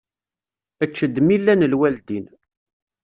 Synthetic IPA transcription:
ət͡ʃːəd̪milːænəlwæld̪in

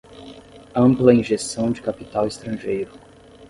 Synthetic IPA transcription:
ɐ̃mplɐĩʒesɐ̃w̃d͡ʒɪkapit̪awɪst̪ɾɐ̃ʒejɾʊ

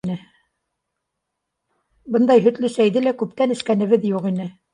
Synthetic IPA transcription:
nɘ | bɤnd̪ɑjɦɵ̆t̪lɘsæjðɘlækʉp̚t̪ænɘ̆ʃkænɘ̆βɘðjuqinɘ

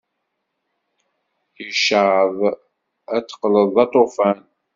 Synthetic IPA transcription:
jəʃəʕəðˤ | æt͡s̪ːə̥qləðˤɑt̪ˤofæn

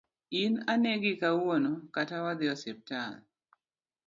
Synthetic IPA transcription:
inaneɡikawonokatawad̪ɪɔsɛp̚tan

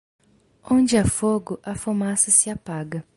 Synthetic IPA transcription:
õnd͡ʒɪɐfoɡʊʔɐfomasɐsɪapaɡɐ

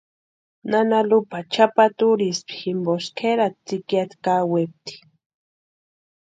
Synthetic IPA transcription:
nanalupat͡ʃapat̪uɾispi̥ximboskʰeɾat̪̚t͡sikjat̪kawep̚t̪i̥

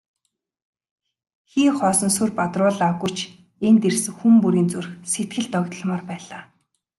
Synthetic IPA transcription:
xiːŋχɔːsɞ̆nsɵrpat̪rʊːɮaɣujt͡ɕʰ | ent̪ersɘ̆ŋxumpuɾiːnt͡surxset̪̚ɡɘ̆ɮt̪ɔkt̪ɞ̆ɮmɔːrpæːɮaː

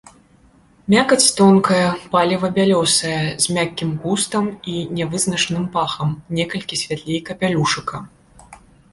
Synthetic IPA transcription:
mʲakɐt͡sʲt̪ɔnkɐjɐpalʲivɐbʲalʲɔsɐjɐzʲmʲakʲːimɣust̪ɐminʲɛvɨznɐt͡ʂnɨmpaxɐmnʲɛkɐlʲkʲisʲvʲat̪lʲejkɐpʲalʲuʂɨkɐ

